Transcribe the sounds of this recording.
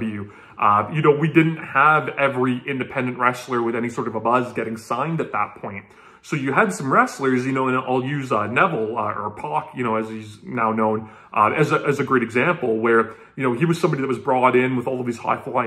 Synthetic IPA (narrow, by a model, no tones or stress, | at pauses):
vjʉ | ʔʌjɨnoʊwidɪdⁿn̩t̚həvɛvɹiʔɪ̃ndɨpʰɛ̃ndɨ̃nʔ̚ɹɛslˠə˞wɨðɛñisɔɹɾʌvəbʌzɡɛɾɪ̃ŋsãɪ̃ndɨt̪̚ðə̰t̚pʰɔ̃ɪ̃nt̚ | soʊjɨɨd̥sʌ̃mɹɛslə˞zjɨnoʊə̃nʔa̰ɪlˠjʉzʌnɛvl̩ˠʌə̰˞pʰɑkʰjɨñoʊɨz̥iznaʊnõʊ̃n | ʔʌɨzɨʔɨzɨɡɹeɪɾɨɡzæ̃mpl̩ˠwə˞ | jɨñoʊiwʌz̥sʌ̃mbɑɾiðɨt̚wʌzbɹɔɾɪ̃nwəðɔlˠʌvðiz̥ha̰ɪflaɪ